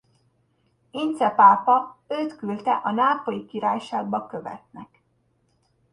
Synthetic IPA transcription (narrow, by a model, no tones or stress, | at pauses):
int̪sɛpaːpɒøːt̪kylt̪ɛʔɒnaːpo̞likiɾaːjʃaːɡ̚bɒkø̞vɛ̰t̪nɛk